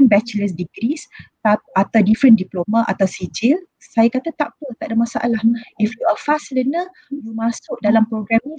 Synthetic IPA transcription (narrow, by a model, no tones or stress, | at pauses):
nbɛt͡ʃələs̬diɡɾist̪aat̪awdifɾəndiplomãʔa̰t̪awsid͡ʒɪl | sajakat̪at̪aʔpət̪aʔdamasa̰ʔa̰lahifjuafaslənə̃ | jumãsʊʔ̚dalampɾoɡɾɛnĩ